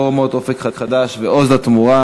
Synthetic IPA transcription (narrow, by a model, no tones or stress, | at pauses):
mot̪ofekχakχad̪aʃveozlat̪muʁa